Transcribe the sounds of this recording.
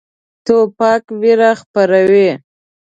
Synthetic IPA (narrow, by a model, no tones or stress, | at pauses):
t̪opɑkwiɾaxpaɾawe